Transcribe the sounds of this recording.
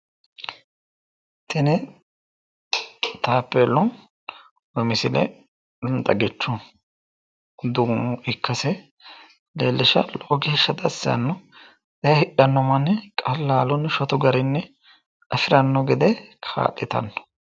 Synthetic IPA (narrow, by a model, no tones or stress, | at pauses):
t̪ɛnɛ | t̪aːpːɛlːɔn | wɔmɪsɪlɛ̰ | ʊnt̪ʼɐ̰ɡɛt͡ʃːʊn | d̪ʊŋʊɪkːɐsɛ | leːlːɪʃɐloːɡɪhʃːɐd̪ɐsːɪɐ̰nːɔ | d̪ɐjɐhɪɗɐnːɔmɐnːɛkʼɐlːaːlɔnːʃɔt̪ɔɡɐɾɪnːɛ | ɐfɪɾɐnːɔɡɛd̪ɛkʰa̰ːʔɪt̪ɐ̰nːɔ̥